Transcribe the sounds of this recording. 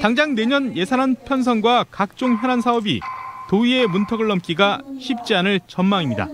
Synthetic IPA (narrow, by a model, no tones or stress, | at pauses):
taŋd͡ʑaŋne̞ɲʌnje̞sʰanɦanpʰjʌns̬ʰʌŋɡwakak̚t͡ɕ͈oŋçjʌnɦansʰaʌbḭtoie̞muntʰʌɡɯɭːʌmk͈iɡaɕʰip̚t͡ɕ͈ianɯɭt͡ɕʌnmaŋimɲida̰